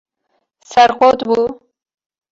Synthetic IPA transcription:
saɾqot̪bu

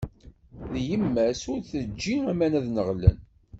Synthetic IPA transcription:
ðjəmːæsʊɾθəd͡ʒːiæmænæðnəʁlæ̰n

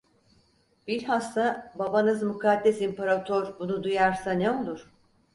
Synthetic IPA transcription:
b̥iɾʲhast̪ababanɯzmukʰad̪ːɛsimpaɾat̪ʰoɾbunud̪ujaɾsaneo̞lˠuɾ̥

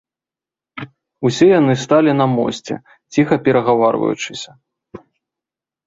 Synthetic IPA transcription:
usʲɛjanɨst̪alʲinɐmɔ̰sʲt͡sʲɛ̰ | t͡sʲixɐpʲɛɾɐɣavarvɐ̰jṵt͡ʂɨsʲɐ

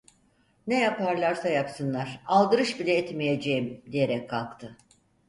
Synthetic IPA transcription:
nejapaɾlˠaɾsajapsɯnlˠaɾ̥alˠd̪ɯɾɯʃbilʲɛɛt̪mijed͡ʒejimd̪ije̞ɾɛkkʰːalˠkt̪ʰɯ

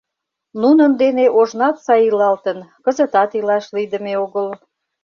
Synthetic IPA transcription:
nunənd̪eneʔoʒnɑt̪sɑjilɑlt̪ənkəzət̪ɑt̪ilɑʃlid̪əmeoɣəl

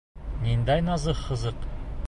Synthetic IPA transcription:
nʲind̪æjnɑzɤχːɤ̆zɤq

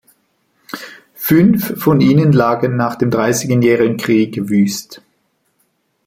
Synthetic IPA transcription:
fʏnfːɔniːnənlaːɡənːaːχd̥eːmdʁaɪsɪɡənjɛːʁɪɡn̩kʁ̥iːɡvyːst

